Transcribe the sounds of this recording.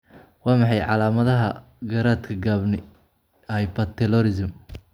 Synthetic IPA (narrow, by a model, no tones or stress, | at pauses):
wɑːmɑħɑjʕɑ̰laːmɐðɐɦɐ | ɡɐɾaːt̪kʰɐɡaːbnɪ | ɐjpɐt̪ʰɛlɔɾɪsɪm